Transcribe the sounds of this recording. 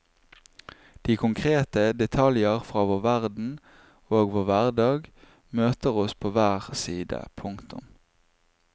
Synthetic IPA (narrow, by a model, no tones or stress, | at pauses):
d̪̥iːkʰʊŋkʰʁeːt̪əd̪ɛt̪ʰɑljəʁfʁɑːʋoːʁʋæʁd̪n̩ | oːɡʋoːʋæʁd̪ɑːɡ | møːt̪əʁɔspʰoːʋæːʁsiːd̪ə̰pʰʊŋkt̪ʊ̰m